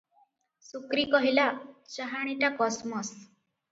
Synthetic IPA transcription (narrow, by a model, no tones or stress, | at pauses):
sukɾikɔɦilat͡ʃaɦaɽ̃iʈakɔsmɔs